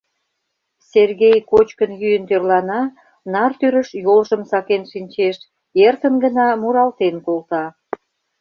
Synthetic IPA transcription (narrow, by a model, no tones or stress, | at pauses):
serɣejkot͡ɕkənjyjənt̪ørlɑnɑ | nɑrt̪yɾəʃjolʒəmsɑkenʃinʲt͡ɕeʃ | ert̪ənɡə̆nɑmuɾɑlt̪enkolt̪ɑ